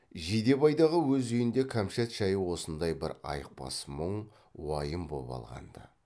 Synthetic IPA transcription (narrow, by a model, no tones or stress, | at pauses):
ʒijd̪e̞bɑjd̪ɑʁəwɵzɵjɪnd̪e̞kʲʰæmʃet̪ʃɑjəwo̞sənd̪ɑjbɪ̰ɾɑ̰jəq̚pɑ̰sməɴ | wɑjəmbo̰pɑ̰lˠʁɑ̰nd̪ɑ